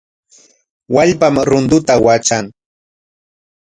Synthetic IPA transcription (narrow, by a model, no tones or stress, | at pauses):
waʎpamɾʊnd̪ʊt̪awat͡ʃaŋ